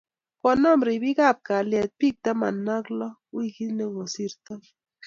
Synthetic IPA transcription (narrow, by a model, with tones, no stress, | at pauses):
kɔ˨nɔ˦˨mɾi˨bi˦ka˦˨p̚ka˨ljɛ˨t̪̚pi˦˨k̚t̪a˦ma˨na˦klɔ˦wi˦ki˦ne˦ŋo˨si˦ɾt̪a˦